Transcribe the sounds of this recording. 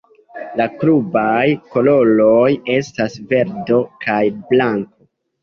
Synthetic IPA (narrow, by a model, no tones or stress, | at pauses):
lakɾubajko̞lo̞lo̞je̞stasve̞ɾdo̞kajblaŋko̞